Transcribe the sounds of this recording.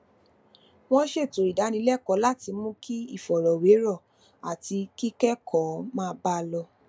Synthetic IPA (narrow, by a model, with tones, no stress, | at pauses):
w̃ɔ̃˦ʃe˦˨to˨i˨da˨˦nĩ˧˦lɛ˦˨kɔ˨˦la˦˨ti˧mũ˦kʰi˦i˦˨fɔ˨ɾɔ˨we˨˦ɾɔ˦˨ | a˨ti˧ki˦kɛ˦kʰɔ˨˦mãː˦˧˦ba˧lɔ˧